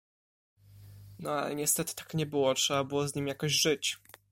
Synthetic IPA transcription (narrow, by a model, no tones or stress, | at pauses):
nɔa̰lɛ̰ɲɛst̪ɛt̪ɘ̥t̪ḁkɲɛbɘwɔtʂɛbabɘwɔzɲimjakɔʑʐɘt͡ɕ